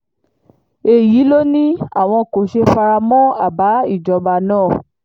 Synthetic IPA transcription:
e˧ji˨˦lo˦nĩ˦a̰˦˨w̃ɔ̃˧ko˨ʃe˧fa˧ɾa˧mɔ̃˦a̰˦˨ba˨˦i˦˨d͡ʒɔ˧ba˧˨nãː˦˨

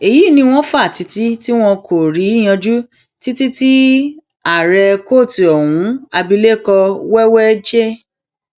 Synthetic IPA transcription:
e˨ji˨˦˨nĩ˧w̃ɔ̃˦fa˦˨ti˧ti˦ti˦w̃ɔ̃˧ko˨ɾi˨˦˨j̃ã˧d͡ʒu˦ | ti˦ti˦ti˦ | a˨ɾɛ˧ko˦˨ti˨ɔ˨wũ˨˦a˧bi˧le˦˨kɔ˧wɛ˦wɛ˦d͡ʒe˦

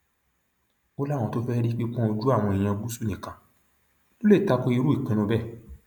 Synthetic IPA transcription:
o˦lã˦˨ɔ̃˧to˦fɛ˦ɾi˦k͡pi˦k͡pɔ̃˦o˧d͡ʒu˦a˦˨w̃ɔ̃˧i˨j̃ã˧ɡ͡bu˦su˦˨nĩ˨kã˨ | lo˦le˦˨ta˦ko˧˦i˧ɾu˦i˦˨k͡pĩ˧nũ˧bɛ˦˨

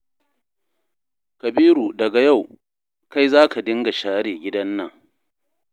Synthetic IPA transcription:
kɐ˨biː˦ɾu˨dɐ˨ɡa˨ja˦˨w | ka˦jzaː˦ka˨dɪ˦ŋɡa˨ʃaː˦ɽeː˨ɡʲɪ˦dɐ˦nːɐ˨ŋ

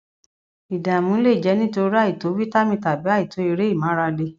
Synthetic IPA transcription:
i˨dã˨mũ˨˦le˦i˨d͡ʒɛ˨˦nĩ˦to˧ɾi˦ɾi˦a˦˨i˨to˨˦wi˦ta˦mĩ˧ta˨bi˨˦a˦˨i˨to˨˦i˧ɾe˦i˦˨mãː˨˦ɾa˧de˧

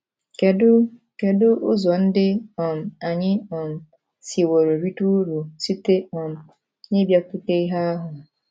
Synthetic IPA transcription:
ke˨dʊ˦ | ke˨dʊ˦ʔʊ˦zɔ˨n̩˦dɪ˦ɔ˨m̩˨a˨ɲɪ˦ɔ˨m̩˨ | si˨wo˨ɾo˨ɾi˦tu˦ɾu˨si˦te˦ɔ˨m̩˨ | ɲɪ˦bja˦kʷu˦te˦i˦ɦa˦a˦ɦʊ˨

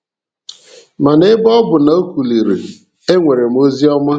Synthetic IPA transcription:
ma˨ne˦bɔ˦bʊ˨na˨o˦kʷu˨li˨ɾḭ˨ | e˦ŋʷe˨ɾe˨m̩˦o˦zi˦ɔ˦ma˦

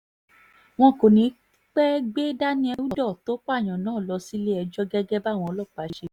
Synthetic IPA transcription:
w̃ɔ̃˧ko˨nĩ˨˦ | k͡pɛ˦ɡ͡be˦da˦nĩ˧˦ɛ˧wu˦˨˦dɔ˦˨to˦k͡pa˦˨j̃ã˨nãː˦˨lɔ˧si˦le˦ɛ˧d͡ʒɔ˦ɡɛ˦ɡɛ˦ba˦˨w̃ɔ̃˧ɔ˧˦lɔ˦˨k͡pa˨˦ʃe˧˦

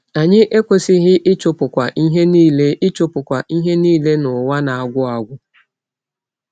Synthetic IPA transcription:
a˨ɲɪ˦ʔe˦kʷe˦sɪ˦ɣɪ˦ʔɪ˦t͡ʃʊ˦pʊ˨kʷa˨ʔi˦ɦe˦niː˦le˦ɪ˦t͡ʃʊ˦pʊ˨kʷa˨ʔi˦ɦe˦niː˦le˦nʊ˨wa˦na˨a˨ɡʷʊ˦a˦ɡʷʊ˦

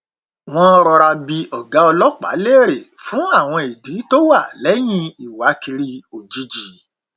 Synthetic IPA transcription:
w̃ɔ̃˧ɾɔ˧ɾa˧bi˧ɔ˨ɡa˨˦ɔ˧lɔ˦k͡pa̰˨˦le˦˨ɾe˨fũ˨˦a˦˨w̃ɔ̃˧e˨dĩ˨˦to˦wa˦˨lɛ˨˦j̃ĩ˧i˨wa˨˦ki˧ɾi˧o˨d͡ʒi˨˦d͡ʒi˨

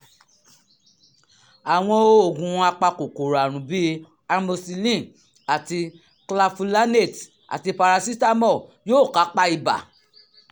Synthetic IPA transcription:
a˨w̃ɔ̃˧o˦o˦˨ɡũ˨˦a˧k͡pa˧ko˨ko˨ɾa˨ɾ̃ũ˨˦bi˦ | a˧mo˧si˧lĩ˦˨ | a˨ti˧ | kla˧fu˧la˦ne˦˨t | a̰˨ti˧pa˧ɾa˧si˦ta˦mɔ˦˨jo˦˨ka˨˦k͡pa˦i˧ba̰˨

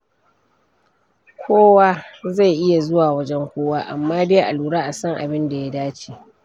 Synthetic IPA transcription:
kʷʰoː˦waː˦za˦˨jʔɪ˦ja˨zʊ˦waː˨wɐ˦d͡ʒɛ˦ŋkʷoː˦waː˦ʔa̰˨mːaː˦deː˦jʔa˨luː˨ɽaː˦ʔa˨sɐ˦ŋʔa̰˨bɪ˦nda˨ja˦daː˦t͡ʃiː˨

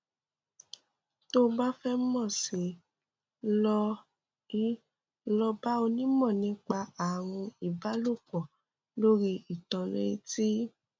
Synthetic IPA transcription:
to˦˧ba˦fɛ˦m̩˦mɔ̃˦˨si˨ | lɔ˧ | i˦ | lɔ˧ba˦o˧nĩ˦mɔ̃˦˨nĩ˧˦k͡pa˧a˨ɾ̃ũ˧i˨ba˨˦lo˦˨k͡pɔ˨ | lo˦ɾi˧i˨tɔ̃˧le˦ti˦

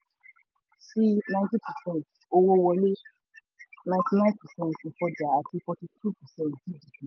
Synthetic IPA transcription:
si˦nã˧ɪ̃ntĩ˦pʰɛ˨sɛ̃˦˨nt | o˧wo˦wɔ˧le˦ | nã˧j̃ti˧nã˦npɛ˨sɛ̃˨n˨t̩˨fɔ˧d͡ʒa˨a˨ti˧fɔ˧ti˧tʰu˦pɛ˨sɛ̃˦˨tdi˦di˨pi˨

